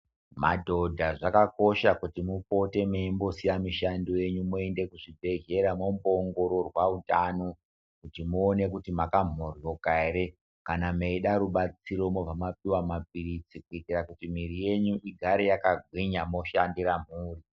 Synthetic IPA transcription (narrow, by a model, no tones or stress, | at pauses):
madʱo̞dʱaʐakako̞ʃakutimupo̞te̞meimbo̞sijamiʃandije̞ɲumue̞nde̞kuʐibʱe̞ɦe̞ɾamomboːŋɡo̞ɾo̞rwautano | kutimuone̞kutimakam̤orjo̞kaeɾe | kanameiɗaɾuɓat͡siɾo̞mob͡vamapiwamap̚irit͡sikuitirakutimiɾije̞ɲuʔiɡʱaɾejakaɡʱwiɲamo̞ʃandiɾam̤uːri